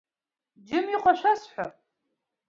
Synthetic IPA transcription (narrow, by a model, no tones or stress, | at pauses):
d͡ʒɪmjiqʷʰɔʃʷasħʷa̰